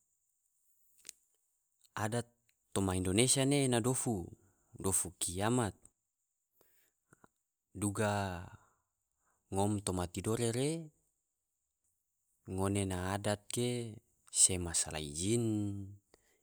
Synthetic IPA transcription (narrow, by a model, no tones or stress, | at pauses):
adat̪ː | omaindonesianenadofu | dofukiamat̪̚ | duɡa | ŋɔmt̪omat̪idoɾeɾe | ŋonenaːdat̪̚ke | semasala̰id͡ʒin